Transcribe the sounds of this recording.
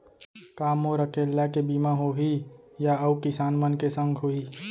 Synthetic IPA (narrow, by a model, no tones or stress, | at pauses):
kaːmoɾəkeːlːakebiːmãɦoɦi | jaəukɪsaːnmənkesə̃ŋɡʱɦoiː